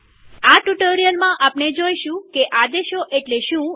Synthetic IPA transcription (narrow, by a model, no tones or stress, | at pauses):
aʈuʈəɾijəlmãʔapned͡ʒoiʃũkeʔad̪eʃoʔeʈleʃũ